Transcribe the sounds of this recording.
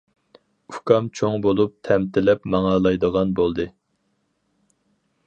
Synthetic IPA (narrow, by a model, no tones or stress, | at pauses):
u̥kɑmt͡ʃʰoŋbolˠup̚t̪ʰɛmt̪ʰɪlɛpmɑŋɑlˠɑjd̪əʁɑnbolˠd̪ɨ